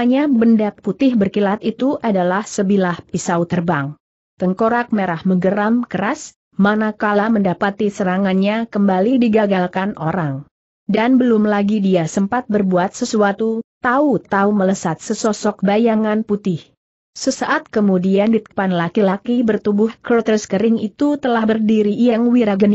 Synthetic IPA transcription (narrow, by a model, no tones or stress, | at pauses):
aɲabəndak̚put̪ɪhbərkilat̪it̪uʔadalahsəbilahpisaut̪ərbaŋ | t̪əŋkoɾak̚meɾahməɡəɾamkəɾas | manakalaməndapat̪isəɾaŋanɲakəmbalidiɡaɡalkanʔo̰ɾaŋ | danbəlʊmlaɡidiasəmpat̪̚bərbuat̪̚səsuat̪ut̪aut̪aumələsat̪̚səsɔsɔk̚bajaŋanput̪ɪh | səsaʔat̪̚kəmudiandit̪ə̥panlakilakibərt̪ubʊhkɾot̪əskəɾɪŋit̪ut̪əlahbərdiɾiːjaŋwiɾaɡən